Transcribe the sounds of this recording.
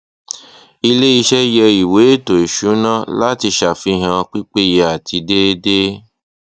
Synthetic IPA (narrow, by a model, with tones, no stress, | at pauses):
i˧le˦i˧ʃɛ˦jɛ˧i˨we˨˦e˦to˨i˨ʃu˨˦nã˦la˦ti˧ʃa˨fi˧ɦã˧k͡pi˦k͡pe˦je˧˦a˨tʰi˧de˦de˦